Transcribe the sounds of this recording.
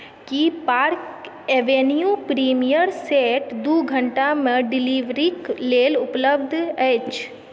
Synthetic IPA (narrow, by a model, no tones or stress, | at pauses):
kipaːɾk | eʋenjupɾiːmijəɾseːʈd̪uːɡʱə̃ɳʈamẽɖɪliʋɾikleːlʊpləbd̪ʱɛt͡ʃʰ